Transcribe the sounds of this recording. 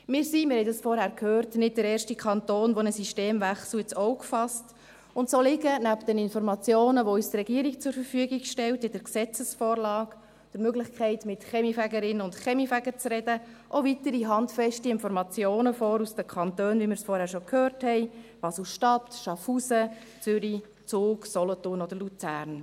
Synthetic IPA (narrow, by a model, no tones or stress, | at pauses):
mɪːɾsimɪɾhɛɪdɑsfɔɾhæɾkʰhøːrtnɪd̚dəɾɛːɾʃtikʰɑntoːnʋonəsiʃteːmvæχsuət͡sɔwkfɑst | ʊntsolɪɡənæpd̥ənɪnfɔɾmɑt͡sjoːnəʋoysdrɛɡiəɾikt͡sʊɾfəɾfyəɡiɡʃtɛltɪd̥əksɛt͡səsfoːɾlɑːk | d̥əɾmøɡlɪχkʰɛɪtmɪtχɛmifæɡəɾɪnəʊntχɛmifæɡəɾt͡srɛdə | ʔovitəɾiɦɑntfɛʃtiɪnfɔɾmɑt͡sjoːnəfɔːɾusd̥əkʰɑntøːnʋimɪɾsfɔɾhæːʃokʰhøːrthɛɪʋɑsl̩ʃtɑtʃɑfusə | t͡sʏɾi | t͡suːksɔlɔtʊrnod̪əɾlut͡sæːɾn